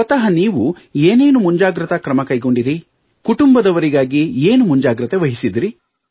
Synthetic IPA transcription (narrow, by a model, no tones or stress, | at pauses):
ɔt̪ɐɦɐniːʋu | eːne̞ːnumuɲd͡ʒaːɡɾɐt̪ɐkɾɐmɐkɐjɡo̞ɳɖiɾi | kuʈumbɐd̪ɐʋɐɾiɡaːɡieːnumuɲd͡ʒaːɡɾɐt̪eʋɐɦisid̪iɾi